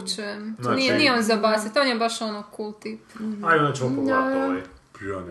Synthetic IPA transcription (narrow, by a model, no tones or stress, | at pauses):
t͡ʃujemnijenijeonzabaːsat̪onjebaʃonokuːlˠt̪ipajonet͡ʃmop | pon